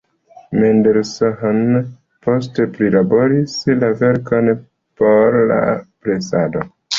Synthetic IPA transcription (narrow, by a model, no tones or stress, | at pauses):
mendeɾsoɦon | po̞s̬tepɾilabo̞ɾislave̞ɾko̞n | po̞ɾla̰plesado